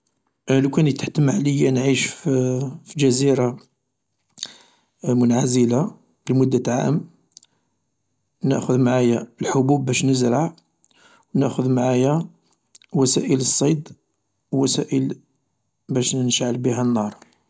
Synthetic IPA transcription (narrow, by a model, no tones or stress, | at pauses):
lukænit̪ːħt̪əməʕləjːænʕiʃffid͡ʒæziɾa | mʊnʕazəla | b̥əlmʊd̪ːat̪ʕa̰ʔəm | nə̰ʔxʊðmaʕajæəlħobubːæʃnəzɾɑʕ | wnəʔxʊðmaʕajæ | wæsæ̰ʔələsˤːɑjd̪ | wwæsæʔəl | bæʃnənʃʕəlbiɦænːɑɾˤ